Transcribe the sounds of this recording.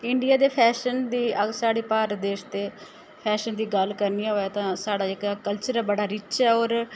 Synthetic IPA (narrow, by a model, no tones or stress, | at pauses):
ɪɳɖɪijaːd̪eːpʰɛːʃənd̪iːəɡsaːɽiːpaːɾd̪eːʃt̪eː | pʰɛːʃənd̪iːɡəlkəɾniaɦoːɛːt̪ãːsaːɽaːɪkkəlt͡ʃəɾɛbəɽaːɾɪt͡ʃɛːoːɾ